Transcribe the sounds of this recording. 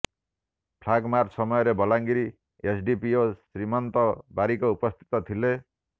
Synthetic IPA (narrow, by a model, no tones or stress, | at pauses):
pʰlaɡmarsʌmʌjʌɾebʌlaŋɡiɾi | esɖipiosrimʌnt̪ʌbaɾikoupʌst̪ʰi̥t̪ʌt̪ʰile